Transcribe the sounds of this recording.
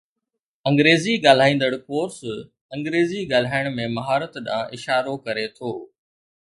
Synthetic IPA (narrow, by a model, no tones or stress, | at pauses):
ɐ̃ŋɡɾeːziɠaːl̤aːĩːn̆d̪əɽkoːɾs | ɐ̃ŋɡɾeːziɡaːl̤aːɪɽ̃mẽmɐɦaːɾət̪ɗã̰ːʔɪʃaːɾokɐɾet̪ʰoː